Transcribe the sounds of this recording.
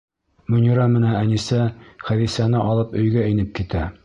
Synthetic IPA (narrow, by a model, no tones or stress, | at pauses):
mɵ̆nʲiɾɑmɘ̆næænisæχæðisænɘʔɒlˠɤpɵ̆jɡæinɘp̚kit̪æ